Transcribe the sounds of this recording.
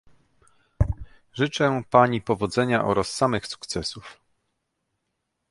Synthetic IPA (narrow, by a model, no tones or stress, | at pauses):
ʐɘt͡ʂɛpaɲipɔvɔd̪zɛɲaʔɔ̰ɾasːamɘxsu̥kt̪sɛsuf